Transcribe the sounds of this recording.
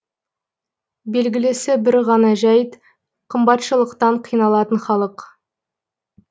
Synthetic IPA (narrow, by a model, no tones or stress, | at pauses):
be̞lɡʲɪlɪsɪbɪɾʁɑnɑʒæjt̪ | qʰəmbɑt̪ʃəlˠəqt̪ɑɴqʰijnɑlˠɑt̪ənχɑlˠəq